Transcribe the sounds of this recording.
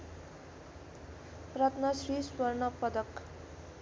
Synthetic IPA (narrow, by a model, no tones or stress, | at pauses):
prʌt̪nʌsɾiswʌrnʌpʌd̪ʌk